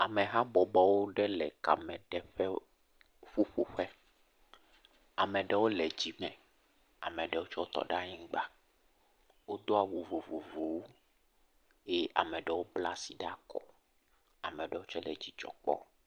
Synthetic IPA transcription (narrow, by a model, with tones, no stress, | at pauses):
a˨mɛ˨ɦa˦bɔ˨bɔ˨wo˦ɖɛ˦lɛ̰˨ka̰˨mɛ̃˨ɖɛ˦ɸɛ˦ | ɸu˦ɸo˨ɸɛ˦ | a˨mɛ̃˨ɖɛ˦wo˦lɛ˨d͡ʑi˨mɛ̃˨ | a̰˨mɛ̃˨ɖɛ˨wo˦t͡ʃɔ˦o˦t̪ɔ̰˨ɖa˦ɲĩ˦ɡ͡ba˦ | wo˦d̪o˦a˨wo˨vo˨vo˨vo˨wo˦ | jɛ˦ʔa̰˨mɛ̃˨ɖɛ˨wo˦bla̰˦˨si˨ɖa˦kɔ̰˨ | a˨mɛ˨ɖɛ˦wo˦t͡ʃɛ˦lɛ̰˨d͡ʑi˨t͡ʃɔ̰˨k͡pɔ̰˦